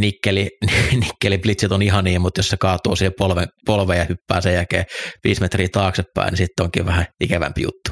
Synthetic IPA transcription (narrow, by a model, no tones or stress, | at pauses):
nikːelininikːeliplit̪set̪onihɑniːmmut̪jossekɑːt̪o̰ːsiːhepolʋepolʋeːjjɑhypːæ̰ːsejjækḛːʋiːsmet̪riːt̪ɑːksepːæ̰ˑḭnisit̪ːoŋkḭːʋʋæhæikæʋæ̰mpijṵt̪ːu̥